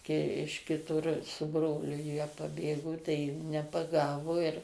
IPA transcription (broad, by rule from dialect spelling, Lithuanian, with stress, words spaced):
kɐɪ ɪʃ kʲɪˈtʊr sʊ ˈbroːlʲʊ jiɛ pɐˈbʲeːɡoː tɐɪ juː nʲɛpɐˈɡɑːʋoː ɪr